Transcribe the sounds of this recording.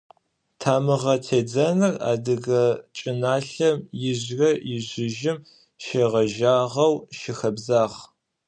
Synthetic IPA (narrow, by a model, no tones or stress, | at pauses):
tʰaːmɨʁɐtʰeːd͡zɐnɨra̰ːdɨɣɐt͡ʃʼɪnaːɬɐmjɪʑrɐjɪʑɪʒɪm | ʃeːʁɐʒaːʁɐwʃɪxɐbzaːʁ